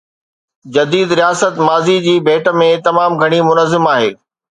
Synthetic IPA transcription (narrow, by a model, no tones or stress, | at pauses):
d͡ʑɐd̪iːd̪ɾijaːsət̪maːzid͡ʑiːbʱeːʈəmẽt̪ɐmaːmɡʱɐɽ̃imʊnəzɪmaːɦeː